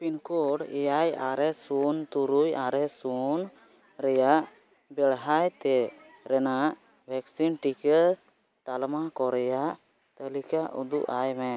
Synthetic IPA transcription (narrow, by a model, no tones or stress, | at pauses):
pinkɔɽɛ̰jajaɾɛsunt̪uɾujaɾɛsun | ɾɛjaʔ | bɛɽɦajt̪ɛ | ɾɛnaʔ | bʱɛksinʈikə | t̪almakɔɾɛjaʔ | t̪əlikaʔṵd̪uʔajmɛ